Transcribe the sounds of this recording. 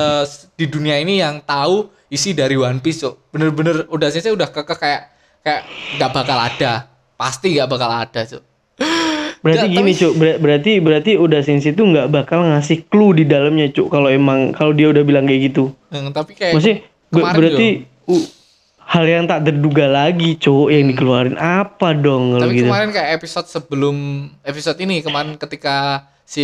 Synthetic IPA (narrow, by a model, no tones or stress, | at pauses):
əd̥iduniainijaŋt̪au | isidaɾiwanpɪst͡ʃʊʔb̥ənərbənərodasɪnsaudahkəkəhkajaʔ | kajaʔŋɡaʔbakala̰d̥a | past̪iŋɡaʔbakala̰d̥at͡ʃʊ̰ | bəɾat̪iɡinit͡ʃobəɾabəɾart̪ibəɾart̪iodasɪnsit̪uŋɡaʔbakalŋasɪhkludidalamɲat͡ʃokaloemaŋkalodiaudahbilaŋkaʔɡit̪u | t̪apikajamasɪ | bəbəɾarii | u | haljaŋt̪aʔt̪ərduɡalaɡit͡ʃojaŋdikəluaɾɪnʔapadɔŋkaloɡit̪uɾɪnkajaepisɔt̪̚səbəlʊmepisot̪inikəmaɾɪnkət̪ika | si